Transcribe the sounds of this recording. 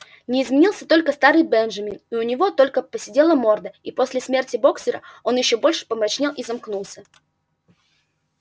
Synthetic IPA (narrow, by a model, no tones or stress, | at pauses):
nʲɪːzmʲɪnʲilˠsʲət̪o̞lʲkəst̪aɾɨjbɛnʐɐmʲɪniʊnʲɪvo̞t̪o̞lʲkəpəsʲɪdʲe̞lˠəmo̞rd̪əipo̞sʲlʲɪsmʲe̞rtʲɪbo̞ksʲɪɾə̰o̞njɪɕːo̞bo̞lʲʂɨ̥pəmɾɐt͡ɕnʲelˠizɐmknulˠsʲə